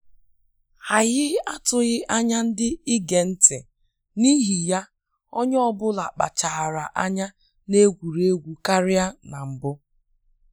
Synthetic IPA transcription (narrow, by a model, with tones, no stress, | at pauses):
ha˨ɣɪ˦a˦tʊ˨ɣɪ˦ʔa˦ɲa˦n̩˦dɪ˦ɪ˦ɡe˨n̩˦tʰe˨ | ni˦ɦi˨ja˦ | o˦ɲ˦ɔ˦bʊ˦la˨k͡pa̰˨t͡ʃa˨ɾa˨ʔa˦ɲa˦ | ne˦ɡʷu˨ɾe˦ɡʷu˨ka˦ɾɪ˦a˦na˨m̩˨bʊ˦